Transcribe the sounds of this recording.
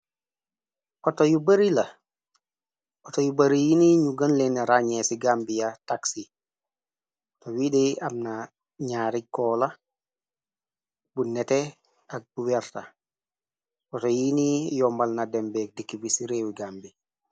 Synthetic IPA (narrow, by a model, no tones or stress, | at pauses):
kɔtojubaɾilɐ | ʔɔtojubaɾijiniɲuɡanlenaɾaɲɛsiɡambijataksi | towidiamna | ɲaːɾikːɔla | bunɛte | ak̚buwɛɾta | kɔtojinijɔmbalnadɛmbɛk̚dikːibisiɾewiɡaːmbi